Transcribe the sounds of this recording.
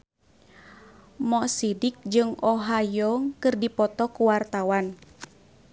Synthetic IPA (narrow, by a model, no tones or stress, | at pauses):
mɔsidik̚d͡ʒɨŋʔɔɦajɔŋkɨrdipɔt̪ɔkuwart̪awan